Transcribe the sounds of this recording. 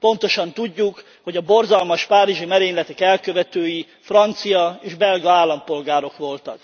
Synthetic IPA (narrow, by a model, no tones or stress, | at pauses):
po̞nt̪o̞ʃɒnt̪uɟːuk | ho̞ɟɒbo̞rzɒlmɒʃpaːɾiʒimɛɾeːɲlɛt̪ɛkɛlkø̞vɛt̪øːji | frɒnt̪sijɒeːʒbɛlɡɒaːlːɒmpo̞lɡaːɾo̞kʋo̞lt̪ɒk